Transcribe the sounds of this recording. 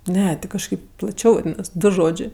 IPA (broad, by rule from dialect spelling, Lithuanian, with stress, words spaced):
ˈnʲɛ ˈtʲɪ kɐʃˈkɐɪp plˠɐˈt͡ʃʲɛʊ ˈnʲɛs ˈdʊ ˈʒoːd͡ʒʲeː